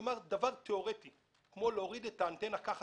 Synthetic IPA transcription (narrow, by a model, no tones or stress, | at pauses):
maʁd̪avaʁt̪eoʁet̪i | kmo̞leoʁid̪et̪ant̪enakaχ